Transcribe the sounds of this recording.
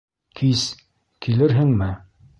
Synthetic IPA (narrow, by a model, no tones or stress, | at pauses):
kʰis | kilɘɾɦɘŋmɘ